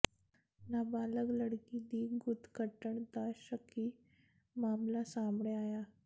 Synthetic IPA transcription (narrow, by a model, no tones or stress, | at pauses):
nəbaləɡləɽkid̪iːɡut̪kəʈəɳt̪aɕəkʰiː | mamlasamɳeaja